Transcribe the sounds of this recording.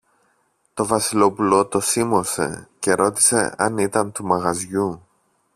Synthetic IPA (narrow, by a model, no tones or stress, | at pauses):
t̪o̞vɐsilo̞pulo̞t̪o̞simo̞se̞̰ce̞ɾo̞t̪i̥se̞̰ɐnit̪ɐnt̪umɐɣɐzʝu